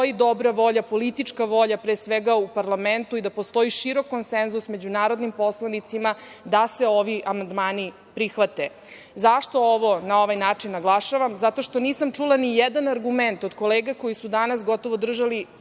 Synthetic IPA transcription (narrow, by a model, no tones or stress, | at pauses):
oid̪o̞bɾaʋo̞ʎapo̞lit̪it͡ʂkaʋo̞ʎapɾeːsʋeɡaupaɾlament̪uid̪apo̞st̪o̞iʃiɾo̞kːonsenzusme̞d͡ʑunaːɾo̞d̪nimpo̞slˠanit̪simad̪aseo̞ʋiʔamand̪maːni | pɾixʋat̪e | zaʃt̪o̞oʋo̞nao̞ʋajnaːt͡ʂinːaɡlˠaʃaʋamzat̪o̞ʃt̪o̞niːsamt͡ʂulˠanijɛd̪anaɾɡument̪o̞d̪ko̞leːɡako̞jisud̪anasɡo̞t̪o̞ʋod̪r̩ʒali